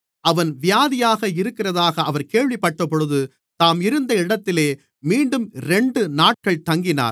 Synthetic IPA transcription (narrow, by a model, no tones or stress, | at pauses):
ɐʋɐnʋɪjaːðɪjaːɣɐɪɾɯkːɪrɐðaːɣɐːʋɐɾkeːɻʋɪpːɐʈːɐpːɔɻɯðɯ | t̪aːmɪɾɯnd̪ɐɪɽɐt̪ːɪleː | miːɳɖɯmɾɛɳɖɯnaːʈ̚kɐɭt̪ɐŋɡɪna̰ːɾ